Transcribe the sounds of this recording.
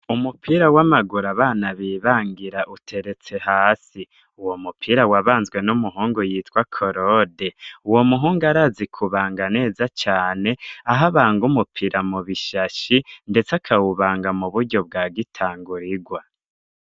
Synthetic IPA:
umupʰiɾawamaɡuɾaβaːnaβiːβaːŋɡiɾaʔutʰe̞ɾe̞t͡se̞haːsi | uwo̞mupʰiɾawaβaːnzɡwe̞numuɦuːŋɡujiːtkwakʰoɾode̞uwo̞muɦuːŋɡaɾaːzikʰuβaːŋɡane̞ːzat͡ʃaːne̞aɦaβaːŋɡumupʰiɾamuβiʃaʃinde̞t͡sakʰawuβaːŋɡamuβuɾɟo̞b̚ɡaːɡitʰaːŋɡuɾiɡwa

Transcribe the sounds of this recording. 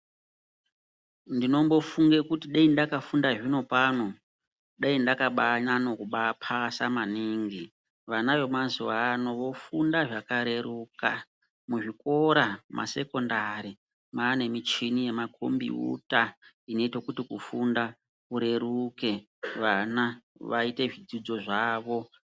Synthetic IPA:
ndino̞mbo̞fuŋɡekutiɗaindakafundaʐino̞pano̞ | ɗaindakaɓaɲanokuɓapʰasamaniːŋɡi | ʋanaʋe̞mazuʋaːno̞ʋo̞fundaʐakaɾe̞ɾuːka̰ | muʐiko̞ɾamʔa̰se̞ko̞ndaɾi | maːne̞mit͡ʃinijemakʰo̰mbḭṵta | ino̞itokutikufunda | kuɾe̞ɾuke̞ | ʋanaʋaite̞ʐid͡zid͡zo̞ʐaːʋo̞

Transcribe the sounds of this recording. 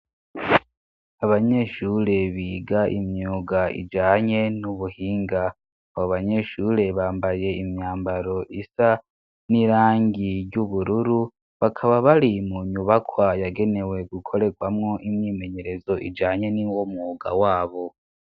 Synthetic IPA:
aβaɲe̞ʃuɾe̞βiːɡaʔimjuɡaʔḭd͡ʒaːɲe̞nuβuhiːŋɡa | aβoβaɲe̞ʃuɾe̞βaːmbaje̞imɲaːmbaɾo̞ʔisa | niɾaːŋɡiɾɟuβuɾuɾu | βakʰaβaβaɾimuɲuβakʰwajaɡe̞ne̞we̞ɡukʰo̞ɾe̞ɡwamŋo̞ʔimɲiːme̞ɲe̞ɾe̞zo̞ʔḭd͡ʒaːɲe̞niwomuːɡa̰waːβo̞

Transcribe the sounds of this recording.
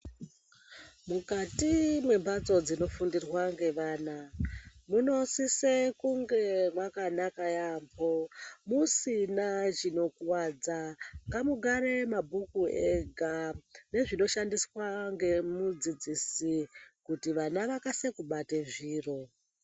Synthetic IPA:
mukatimwe̞mbat͡so̞d͡zino̞fundirwaŋɡe̞ʋaːnamuno̞sisekuŋɡe̞mwakanakajampʰomusinat͡ʃino̞kwad͡zaŋɡamuɡʱaɾe̞mabʱukueɡʱane̞ʐino̞ʃandiswaŋɡemud͡zid͡zisikutiʋanaʋakasekuɓateʐiːro̞

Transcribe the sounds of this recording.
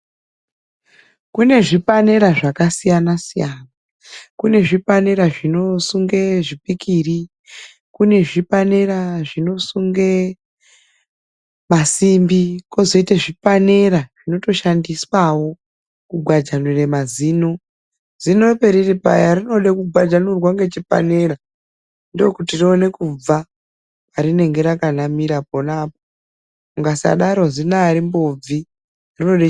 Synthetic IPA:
kune̞ʐipane̞ɾaʐakasijanasijaːna | kune̞ʐipane̞ɾaʐino̞suŋɡe̞ʐipikiri | kune̞ʐipaneɾaʐino̞suŋɡe | masimbiko̞zo̞iteʐipane̞raʐ̥ino̞to̞ʃandiswawo̞ | kuɡʱwad͡ʒanuremaziːno̞ | z̥ino̞pe̞ɾiripa̰jarino̞ɗekuɡʱwad͡ʒanurwaŋɡe̞t͡ʃipa̰ne̞ra | ndookutirione̞kub͡va | paɾine̞ŋɡe̞ɾakanamiɾaponaːpo | uŋɡasa̰ɗaɾo̞zinaːɾimbob͡vi | rino̞ɗe

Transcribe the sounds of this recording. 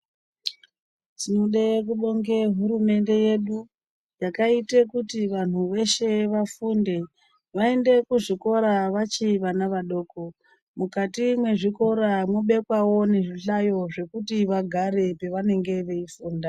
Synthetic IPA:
tinoɗek̬uɗo̞ŋɡeɦuɾume̞nde̞je̞ɗu | jakaitekutiʋan̤uʋe̞ʃe̞ʋafunde̞ | ʋae̞nde̞kuʐiko̞ɾaʋat͡ʃiʋanaʋaɗo̞ːko̞ | mukatimwe̞ʐiko̞ɾamuɓe̞kwawo̞ne̞ʐiɬajo̞ʐe̞kutiʋaɡʱaɾe̞pe̞ʋane̞ŋɡe̞ʋe̞ifuːnda

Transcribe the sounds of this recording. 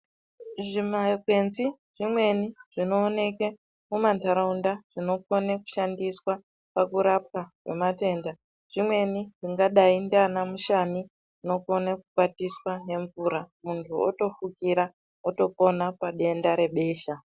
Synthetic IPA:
ʐimakwe̞nzi | ʐ̥imwe̞niʐ̥ino̞ːne̞ke | mumantaɾaundaʐ̥ino̞koneku̥ʃandiswa | pakuɾap̚kakwe̞̰mate̞nda | ʐ̥imwe̞niʐiŋɡaɗaindeanamuʃani | no̞ko̞nakuɓatiswane̞ɱvuɾamuntʰuo̰to̞fukiɾa | oto̞ko̞napaɗe̞ndaɾe̞ɓe̞ːʃa

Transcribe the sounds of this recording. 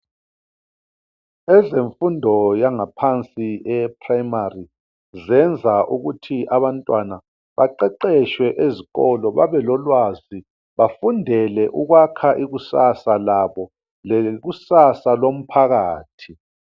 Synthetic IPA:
ɛzeɱfundʱɔjaŋapʰant͡sʼiɛpʰrajmari | zɛnd͡zʱaʔuɣutʰiʔaβantʼwana | βaǃɛǃɛʃwɛʔeziɣɔlɔβaβɛlɔlwazi | βafundʱɛlɛʔuɣwakʰaʔiɣusasalaβɔ | lɛɣusasalom̩pʰaɣaːtʰi

